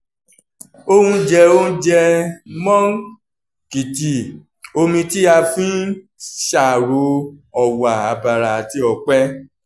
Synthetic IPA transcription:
o˦hũ˧d͡ʒɛ˧o˦d͡ʒɛ˧mɔ̃˦ | ki˨ti˨ | o˧mĩ˧ti˦a˧fĩ˦ | ʃa˨ɾo˨˦ɔ˨wa˨a˨˦ba˧ɾa˨ti˦ɔ˧k͡pɛ˦

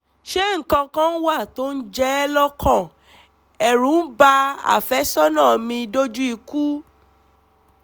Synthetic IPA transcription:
ʃe˦ŋ̩˨kã˧kã˦n̩˦wa˦˨to˨˦n̩˦d͡ʒɛ˦lɔ˦kã˦˨ | ɛ˨ɾũ˨˦n̩˦ba˧a̰˨fɛ˨˦sɔ˦nã˦˨mĩ˧i˧do˦d͡ʒu˦i˧ku˦

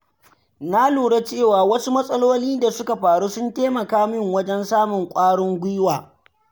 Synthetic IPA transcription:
na˦luː˨ɽe˦t͡ʃeː˦˨waː˨wɐ˦su˦mɐ˦sʼɐ˦loː˦niː˦da˨sʊ˦ka˨ɸaː˨ɽuː˦sʊ˦nteː˦mɐ˨kaː˦mɪ˦˨ŋwɐ˦d͡ʒɛ˦nsaː˦mʊ˨ŋkʷʼaː˦ɽʊ˦ŋɡʷiː˦waː˨

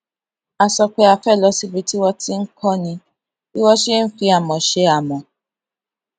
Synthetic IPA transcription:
a˨sɔ˧k͡pe˧a˨fɛ˦˨lɔ˨˦si˧bi˨˦ti˦wɔ˧ti˦ŋ̩˦kɔ˦nĩ˧ | i˦wɔ˦ʃe˦n̩˦fi˧a˨mɔ̃˨ʃe˧˦a˨mɔ̃˨

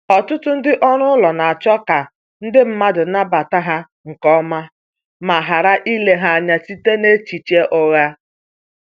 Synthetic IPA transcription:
ɔ˨tʊ˦tʊ˦n̩˦dɪ˦ʔɔ˦ɾʊ˦lɔ˨na˨a˨t͡ʃɔ˦ka˨ | n̩˦dɪ˦m̩˦ma˦dʊ˨˦na˦ba˨ta˦ɦa˦ | ŋ̩˨kɔ˦ma˦ | ma˨ɦa˨ɾa˦ʔi˦le˦ɦa˦a˨ɲa˦si˦te˦ne˦t͡ʃi˨t͡ʃe˦ʔɔ˦ɣa˦

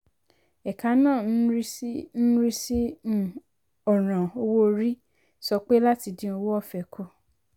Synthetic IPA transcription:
ɛ˨ka˨˦nãː˦˨n̩˦ɾi˦n̩˦ɾi˦sĩ˦˨ | ɔ˨ɾ̃ã˨o˧wo˦˧ɾi˦ | sɔ˧k͡pe˦la˦ti˧dĩ˦o˧wo˦ɔ˦˨fɛ˨kʰo˦˨

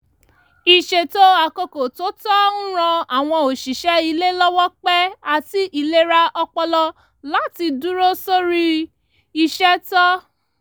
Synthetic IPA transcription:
i˨ʃe˨to˦a˨ko˧ko˨to˦tɔ˦n̩˦ɾ̃ɔ̃˧a˨w̃ɔ̃˧o˨ʃi˨ʃɛ˨˦i˧le˦lɔ˦wɔ˦k͡pɛ˦a˦ti˦ʔi˦˧˨le˦ɾa˧ɔ˧k͡pɔ˧lɔ˧ | la˨˦ti˧du˦ɾo˦so˦ɾi˦ | i˧ʃɛ˦tɔ˦

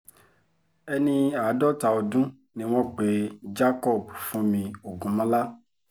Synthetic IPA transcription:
ɛ˧nĩ˧a˨˦dɔ˦ta˧o˧dũ˦ | nĩ˦w̃ɔ̃˦k͡pe˨˦d͡ʒa˦kɔ˦˨bu˨fũ˨˦mĩ˧o˨ɡũ˨˦mɔ̃˦la˦

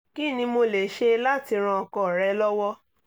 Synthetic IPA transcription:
ki˦˨nĩ˧mo˧le˨ʃe˧la˦˨ti˧ɾ̃ã˧ɔ˧˨kɔ˨ɾɛ˨˧lɔ˦wɔ˦

